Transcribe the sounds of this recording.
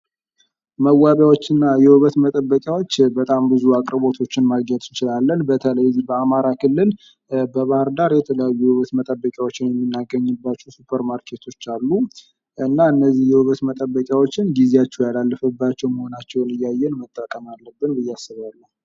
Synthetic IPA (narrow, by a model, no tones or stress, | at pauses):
məwaβjawo̞t͡ʃːɪnːajɛhɨβət̪mət̪ʼəbːəkʼjawo̞t͡ʃːbət̪ʼambɨzuakʼɾbo̞t̪ʰot͡ʃːɪnmaɡəd̪ɪt͡ʃɪlalːənbət̪ʰələjzihbəamaɾakʰɨlːɨl | bəβahəɾd̪aɾjɛt̪ʰələjajːuhɨβət̪mət̪ʼəbːəkʼjawo̞t͡ʃːɪnjɛmːinːaɡəɲːɨbːat͡ʃːusupʰəɾmaɾkʰe̞t̪ʰo̞t͡ʃːalːu | ʔɨnːaɨnːəzːihjɛhɨβət̪mət̪ʼəbːəkʼjawo̞t͡ʃːɪnɡizeat͡ʃːɛwjalalːəfəbːat͡ʃːɛwməho̞nat͡ʃːɛwnɨjːajːɛnmət̪ʼːəkʼəmalːəbːɨnbɨjːasːɨβalːə